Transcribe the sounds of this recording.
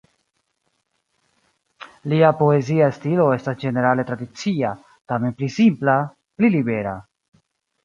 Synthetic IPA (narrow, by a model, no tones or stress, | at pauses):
liapo̞e̞ziaestilo̞e̞stasd͡ʒe̞ne̞ɾale̞tɾadit͡sia | tame̞nplisimpla | plilibe̞ɾa̰